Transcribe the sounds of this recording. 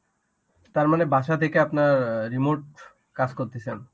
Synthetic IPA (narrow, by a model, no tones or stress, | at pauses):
t̪aɾmanebʱaʃat̪ʰekeapnaɾːimoɾʈ | kad͡ʑkoɾt̪esʰen